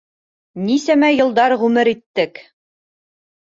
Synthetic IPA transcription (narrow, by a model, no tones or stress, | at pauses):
nisæmæjɤ̆lˠd̪ɑɾʁʉmɘɾit̪ːɘk